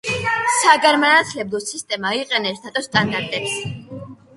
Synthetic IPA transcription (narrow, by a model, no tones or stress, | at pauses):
saɡaɾmanat̪ʰlɛblˠɔsist̪ʼɛmaiqʼɛnɛst̪ʰat̪ʼɔst̪ʼand̪aɾt̪ʼɛps